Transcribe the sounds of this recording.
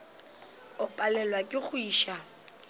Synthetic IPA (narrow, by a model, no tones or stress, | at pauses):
ʊpʼalɛlwakʼɪχʊiːʃa